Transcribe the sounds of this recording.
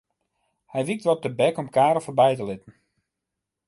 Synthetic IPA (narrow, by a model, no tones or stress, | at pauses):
hɛjʋik̚tʋɔtəbɛkɔmkaːɾɔfəbɛjtəlɪtən̩